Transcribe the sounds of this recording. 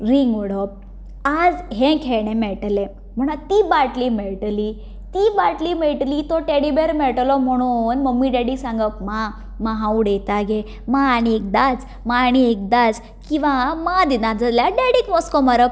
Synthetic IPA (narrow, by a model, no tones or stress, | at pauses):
ɾiŋɡuɽəp̚ | ad͡zɦẽkʰeɭɳ̃emɛɭʈlẽ | m̤əɽ̃at̪iːbaʈlimeɭʈli | t̪ibaʈlimeɭʈlit̪ɔʈeɽibeɾmeɭʈlɔm̤əɽ̃unməɡmiːɖeɽisãŋɡəp̚ma | maɦãuɽet̪aɡe | maːɽ̃iek̚d̪at͡s | maːɽ̃iek̚d̪ad͡z | kĩʋamad̪inad͡zəljaɖeɽikmɔskɔmaɾəp̚